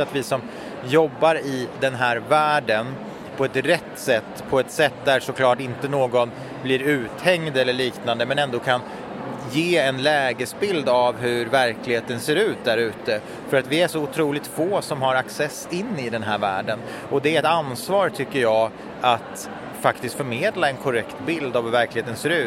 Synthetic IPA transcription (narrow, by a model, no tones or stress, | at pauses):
at̪vɪsɔm | jɔbːaɾɪd̪ɛnɦæːɾvæːɖən | pʰɔɛt̪ɾɛt̪ːsɛt̪ːpʰɔɛt̪sɛt̪ːd̪æɾʂɔkʰlɑːʈɪnt̪ənoːɡɔn | blɪɾʉ̟ːt̪hɛŋd̪ɛlːəɭiːknand̪əmɛnɛnd̪oːkʰan | jeːɛnlɛːɡəsbɪld̪avɦɵɾvæɾklɪɡheːt̪ənseːɾʉ̟ːt̪̚d̪æɾʉ̟ːt̪ə | fœɾat̪vɪæʂɔʊt̪ʰɾuːlɪk̚t̪foːsɔmɦaɾaksɛsɪnːɪd̪ɛnɦæːɾvæ̰ːɖən | ɔd̪ɛɛt̪ansvɑːɾt̪ʰʏkːəɾjɑː | at̪ | fakt̪ɪst̪fœɾmeːd̪laɛnkʰɔɾɛkt̪bɪld̪avhɵvæɾklɪheːt̪ənseːɾʉ̟ː